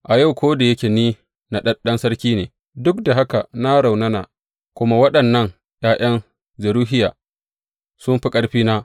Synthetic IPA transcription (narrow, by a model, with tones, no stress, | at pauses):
ʔa˨ja˦˨wkʷoː˦da˨jɐ˦kʲeː˨niː˦ | na˨ɗɐ˦ɗɐ˦nsɐ˦ɽkʲiː˦neː˨ | dʊ˦kda˨ɦa˦ka˨na˦ɽa˨wnɐ˦na̰˨ | kʷʊ˦ma˦wɐ˦ɗɐ˨nːɐ˦˨ŋ | jaː˦ʔɐ˦n | zɐ˨ɾuː˦ɦɪ˦jaː˨ | sʊ˦mɸi˦kʼɐ˦ɽɸiː˦naː˦